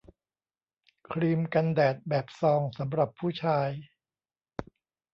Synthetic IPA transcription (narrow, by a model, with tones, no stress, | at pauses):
kʰɾiː˧mka˧ndɛː˨˩t̪̚bɛː˨˩p̚sɔː˧ŋsa˩˦mɾa˨˩pʰːuː˥˩t͡ɕʰaː˧j